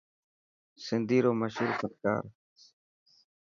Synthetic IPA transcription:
sɪnd̪iːɾoːməʃuːɾpətka̰ːɾ

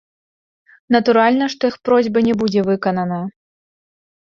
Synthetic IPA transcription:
nɐt̪uɾalʲnɐʂt̪ɔjixpɾɔzʲbɐnʲɛbud͡zʲɛvɨkɐnɐnɐ

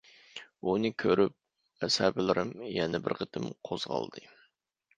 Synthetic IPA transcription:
unɨkʲʰøɾyp̚ | æshæbɪlˠɪɾʔɨmjɛnɛbɪɾqʰət̪ʰɨmqʰoz̥ʁɑ̰lˠd̪ɨ

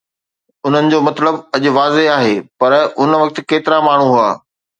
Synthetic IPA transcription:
ʊn̤ənɪ̆d͡ʑoːmɐt̪ləbɐʄʊʋaːzeaːɦeːpɐɾʊnʋɐk̚t̪ɪ̆keːt̪ɪɾamaːɳ̤uɦuaː

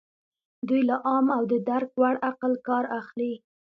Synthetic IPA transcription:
d̪ujlaʔɑmawd̪əd̪aɾkwaɽaqəlkɑɾaxli

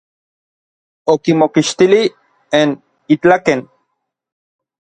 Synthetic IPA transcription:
okimokiʃt̪ili | en | it͡ɬaken

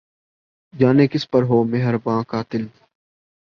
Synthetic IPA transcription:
d͡ʒaːneːkɪspəɾɦoːmɪɦəɾbãːkaːt̪ɪl

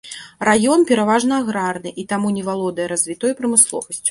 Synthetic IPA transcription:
rajɔnpʲɛɾavaʐnɐːɣɾarnɨʔit̪amunʲɛvalˠɔd̪ɐjɛɾɐzʲvʲit̪ɔjipɾɐmɨslˠɔ̰vɐsʲt͡sʲu̥

